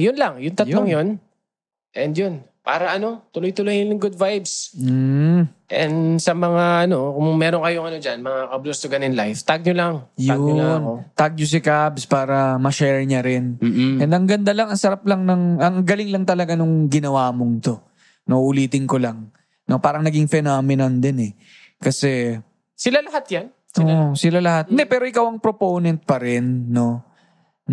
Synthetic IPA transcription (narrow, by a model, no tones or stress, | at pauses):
jʊnlaŋjʊŋt̪ɐtjlloŋjon | ʔɛnd̪jon | pa̰ːɾɐʔɐno̞t̪ʊlojt̪ʊlojɪnnʊŋɡʊd̪̚vajbs | ʔɛnd̪sɐmɐŋaʔɐno̞kʊŋmɛːɾoŋkɐjoŋɐno̞d͡ʒanmɐŋakɐblost̪oɡɐnɪnlajft̪aɡ̚ɲolaŋj̪aʊɲnot̪aɡ̚ɲos̬ɪkabspaːɾɐmɐʃɛɹɲɐɾɪnːɛnd̪ɐŋɡɐnd̪alɐŋɐŋsɐɾap̚lɐŋnɐŋɐŋɡɐlɪŋlɐŋt̪ɐlɐɡanʊŋɡɪnɐwaːmo̞ŋt̪o̞ | noʔʊliːt̪ɪnko̞lɐŋ | no̞paːɾɐŋnɐɡiŋfɛnamɪnɐnd̪ɛnɛ | kɐsɛ | sɪlalɐhat̪̚jan | ɪsɪlalɐhat̪̚ɪnd̪ɛpɛːɾoʔɪkawɐŋpɾopownɛnt̪̚pɐɾɛnːo̞ | n